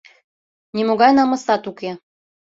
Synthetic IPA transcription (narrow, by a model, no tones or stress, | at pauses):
nimoɣɑjnɑmɤ̆sɑt̪uke